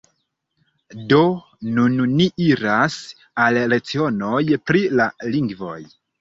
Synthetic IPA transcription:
do̞ | nunnːiʔiɾas | alɾe̞t͡sio̞no̞jpɾilaliŋɡvo̞̰j

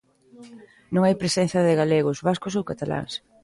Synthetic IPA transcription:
nõŋajpɾesɛ̃n̟θjɐðɪɣaleɣ̞ʊzβaskʊsowkat̪ala̰ŋs

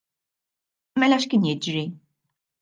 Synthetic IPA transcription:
mɛlɐʃkɪːnjɪd͡ʒɾi

